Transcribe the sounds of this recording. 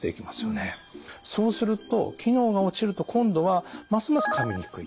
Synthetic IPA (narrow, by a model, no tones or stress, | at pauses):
t̪e̞̰ikʲimasɨ̥jo̞neso̞ːsɨɾɯ̟t̪o̞̰kʲino̞ːɡao̞t͡ɕiɾɯ̟t̪o̞kʰõ̞nd̪o̞βamasɨmasɨ̥kabiɲ̟ʲikɯ̟i